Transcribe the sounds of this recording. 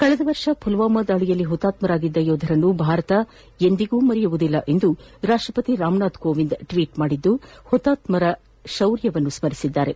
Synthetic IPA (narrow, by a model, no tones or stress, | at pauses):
kɐɭɛd̪ɐʋɐɾʂɐpʰulʋaːmɐd̪aːɭijɐlːiɦɔt̪ːaːt̪mɐɾaːɡid̪ːɐjoːd̪ʱɐɾɐnːubʱaːɾɐt̪ɐ | e̞nd̪iɡuːmɐɾijuʋud̪ilːɐʔe̞nd̪uɾaːʂʈɾɐpɐt̪iɾaːmnaːd̪koːʋind̪ʈʋiːʈmaːɽid̪ːuhɔt̪ːaːt̪mɐɾɐ | ʃɐwɾjɐʋɐnːusmɐɾisid̪ːaːɾe̞